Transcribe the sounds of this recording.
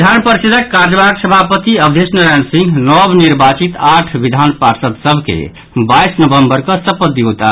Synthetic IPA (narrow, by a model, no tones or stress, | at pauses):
d̪ʱanpəɾisid̪ʱəkːaɾd͡ʒəbaksəbʱapət̪iəbd̪ʱesnəɾajnsĩŋɡnɔbniɾbat͡ʃit̪aʈʰʋid̪ʱanpaɾsət̪səbʱkḛ | baisnəbəmbəɾkʌsəpəd̪iɦot̪a̰